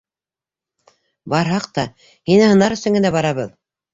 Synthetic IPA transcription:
bɑɾɦɑq̚t̪ɑ | hinɘhɤ̆nɑɾɵ̆sɘ̆ŋɡɘ̆næbɑɾɑβɤð

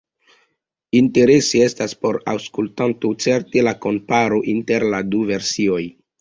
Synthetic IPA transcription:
inte̞ɾe̞sie̞staspo̞ɾa̰wskultantot͡se̞ɾtelako̞mpaɾoʔinte̞ɾladuve̞ɾsio̞j

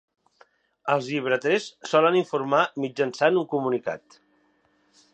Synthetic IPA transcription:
əlˠzʎiβ̞ɾət̪ɾɛsːɔləniɱfuɾmamid͡ʒənsanuŋkumunika̰t̪

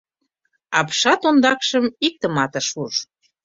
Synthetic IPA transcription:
ɑpʃɑt̪ond̪ɑkʃəmik̚t̪ə̆mɑt̪ə̆ʃuʃ

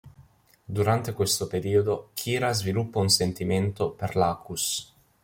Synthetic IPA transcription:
d̪uɾant̪ekwest̪opeɾiːod̪ok̟ʰiːɾazvilupːaunsent̪iment̪operlaːkus

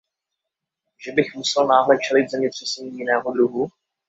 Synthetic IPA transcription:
ʒɛbɪxmusɛlnaːɦlɛt͡ʃɛlɪt̪̚zɛmɲɛt̪r̝̥ɛsɛɲiːjɪnɛːɦod̪ɾuɦu

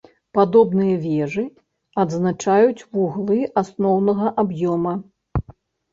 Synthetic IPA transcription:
pad̪ɔbnɨjɐvʲɛʐɨ | ɐd̪znat͡ʂajut͡sʲvuɣlˠɨʔasnɔwnɐɣɐʔabjɔmɐ

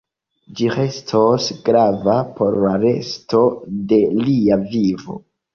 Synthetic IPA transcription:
d͡ʒie̞stʰosɡɾavapo̞ɾlaɾe̞̰stʰo̞de̞liavivo̰

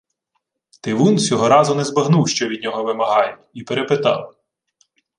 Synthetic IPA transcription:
t̪ɪʋunsʲɔɦɔɾɑzʊnɛzbɐɦnuwʃt͡ʃɔʋʲid̪ʲnʲɔɦɔʋɪmɐɦɑjʲ | ipeɾepɪt̪ɑ̰w

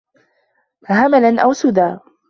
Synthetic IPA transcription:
ɦamalanʔawsʊd̪aː

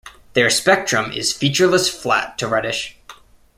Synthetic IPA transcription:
ðə˞spɛk̚tɹ̥ə̃mɪ̰z̥fit͡ʃə˞ləsflæ̰tʰɨɹɛɾɪʃ

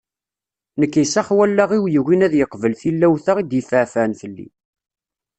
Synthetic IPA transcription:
nəkːisæχwælːaʁiwjəɣinæðjəqvəlθilːæwθaʁid̪jəfəʕfænθəlːḭ

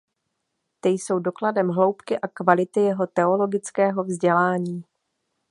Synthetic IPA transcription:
t̪ɪjso̞wdo̞kladɛmɦlo̞wpkɪʔakvalɪt̪ɪjɛɦo̞t̪ɛo̞lo̞ɡɪt͡skɛːɦo̞vzɟɛlaːɲiː

